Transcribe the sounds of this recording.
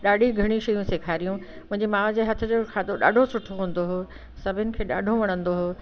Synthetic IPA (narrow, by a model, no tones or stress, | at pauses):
ɗaːɖʱiɡʱɐɽ̃iʃɐjũseːkʰaːɾijũ | mʊ̃ɦɪ̃ɲd͡ʑimaːʋd͡ʑeːɦɐt̪ʰʊ̆d͡ʑoːkʰaːd̪oɗa̰ːɖʱosʊʈʰoɦũːn̆d̪oɦo | sɐbʱɪnɪ̆kʰeːɗa̰ːɖʱoʋɐɽ̃ə̃nd̪oɦoː